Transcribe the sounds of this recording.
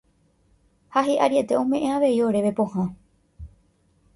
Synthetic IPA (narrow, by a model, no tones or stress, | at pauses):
haɦiʔaɾie̞t̪e̞õmẽ̞ʔẽaʋe̞io̞ɾe̞ʋe̞põhã